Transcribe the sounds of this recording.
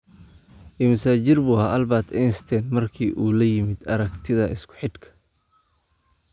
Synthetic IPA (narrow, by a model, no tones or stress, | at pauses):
imɐsaːt͡ʃɪrbuːhaʔɐlbaːt̪ʰɛnst̪ʰɛnmɐrkʰiːʔuːlɐjɪmɪd̪ɐɾɐɡt̪ʰɪðɐɪskʰʊ̥ħɪd̪kʰɐ̥